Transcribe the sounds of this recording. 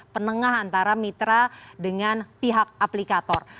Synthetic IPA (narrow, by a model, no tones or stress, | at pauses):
pənəŋaɦant̪aɾamit̪ɾadəŋanpiɦak̚aplikat̪ɔr